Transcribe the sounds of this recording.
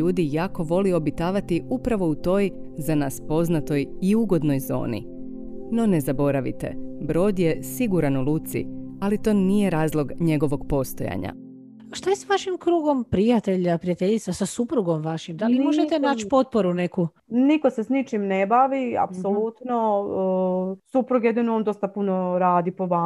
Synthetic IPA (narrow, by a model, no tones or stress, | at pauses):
uːd̪ijako̞ʋo̞lio̞bit̪aːʋat̪iupɾaʋo̞ut̪o̞ːj | zanaːspo̞znat̪o̞jiuɡo̞d̪no̞jzo̞̰ːnḭ | no̞ne̞zabo̞ɾaʋḭt̪e̞̰bɾo̞ːd̪je̞siɡuɾanuluːt̪sḭalit̪o̞ːnije̞ɾaːzlˠo̞ɡɲe̞ɡo̞ʋo̞ɡpo̞st̪o̞̰ja̰ɲa̰ | ʃt̪ajesʋaʃimkɾuːɡo̞mpɾijat̪eʎapɾijat̪eʎit̪sasasupɾuɡo̞mʋaʃimd̪alimo̞ʒet̪enaːt͡ʃpo̞t̪̚poɾuneku | nikosesnit͡ʃimnebaʋia̰psolut̪no | supɾuɡjed̪inoond̪o̞st̪apunoɾaːd̪ipoʋa